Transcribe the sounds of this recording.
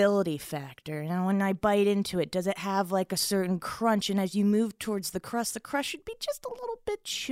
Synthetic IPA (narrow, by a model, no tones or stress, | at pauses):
ɪlˠəɾifæk̚tə˞wə̃naɪbaɪɾɪ̃ntʰʉɨt̚d̥ʌzɨt̚ɦəvlaɪkɨsɜ˞ʔn̩kʰɹ̥ʌ̃nt͡ʃɨ̃nɨzjɨmʉv̥tʰɔɹdzðɨkʰɹ̥ʌsðɨkʰɹ̥ʌʃɨd̚bid͡ʒʌstəlɪɾl̩ˠbɪt̚t͡ʃʰ